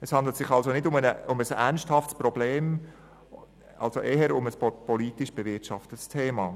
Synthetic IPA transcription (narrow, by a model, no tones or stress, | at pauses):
ɛshɑnd̪lətsɪχɑlsonɪdʊmənəʊməsænsthɑftsprɔbleːm | ɑ̰lzoʔɛɦəɾʊməspɔliːtɪʃb̥əvɪtʃɑftətstʰeːmɑː